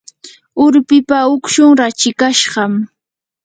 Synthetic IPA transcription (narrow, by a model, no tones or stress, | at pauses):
ʊɾpɪpaʊkʃʊŋɾat͡ʃɪkaʃɢɑm